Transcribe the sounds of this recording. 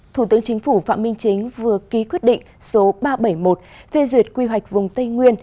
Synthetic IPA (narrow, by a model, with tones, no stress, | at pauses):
t̪ʰu˧˩t̪ɨ˨˦əŋt͡ɕï˨˦ŋ̟fu˧˩fa̰ː˧˨mï˧ŋ̟t͡ɕï˨˦ŋ̟vɨ˨˩əki˨˦kwət̚ɗḭ̈˧˨ŋ̟so˨˦ɓaː˧ɓə˧˩jmo˨˩t̚fe˧zwi˨˩ət̚kwi˧ɦwa˨˩jk̟̚vʊ˨˩ŋ͡mt̪ə˧jŋwi˧ən